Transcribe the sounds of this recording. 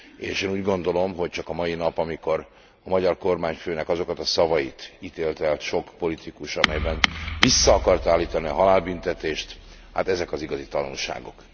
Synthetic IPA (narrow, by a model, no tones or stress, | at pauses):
eːʃeːnuːɟɡo̞nd̪o̞lo̞mɦo̞c̚t͡ʃɒkɒmɒjinɒpɒmiko̞ɾ | ɒmɒɟɒrko̞rmaːɲføːnɛkɒzo̞kɒt̪ɒsɒvɒjit̪iːt̪eːlt̪ɛlt̪ʃo̞kpo̞lit̪ʰikuʃɒmɛjbɛnvisːɒːkɒrt̪aːlːiːt̪ɒniɒɦɒlaːlbynt̪ɛt̪eːʃt̪ | ha̰ːt̪ɛzɛkɒziɡɒzit̪ɒnṵlʃa̰ːɡo̞̰k